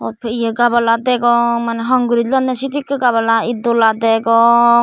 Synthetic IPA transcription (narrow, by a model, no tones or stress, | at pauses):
ɔt̪̚pʰɛijəɡabalad̪ɛɡɔŋmanɛɦɔŋɡuɾid͡ʒlɔnːɛsit̪ikɯɡaβalaid̪ɔlad̪ɛɡɔŋ